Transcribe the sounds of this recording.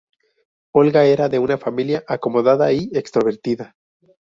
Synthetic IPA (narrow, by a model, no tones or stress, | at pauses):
o̞lɣae̞ɾaðe̞unafamiljaʔako̞mo̞ðaðaie̞kst̪ɾo̞β̞e̞ɾt̪iða